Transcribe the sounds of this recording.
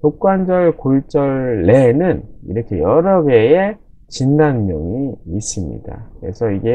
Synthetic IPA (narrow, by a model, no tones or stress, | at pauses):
tok͈wand͡ʑʌɭkoɭt͡ɕ͈ʌɭːe̞nɯnḭɾʌkʰe̞jʌɾʌɡe̞e | t͡ɕindanmjʌŋiːs͈ɯmɲḭda̰kkɯɾe̞sʰʌiɡe̞